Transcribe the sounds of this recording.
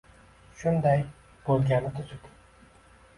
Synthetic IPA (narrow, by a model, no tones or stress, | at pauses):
ʃʊnd̪aj | b̥olˠɡʲanɪt̪ʰʊt̪ʰyk̪